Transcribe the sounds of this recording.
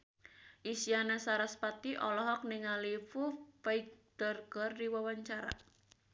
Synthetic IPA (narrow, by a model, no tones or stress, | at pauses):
ʔisianasaɾaspat̪iʔɔlɔɦɔk̚niŋalifufajɡd̪̥ərɡ̥ɔrdiwawaɲt͡ʃaɾa̰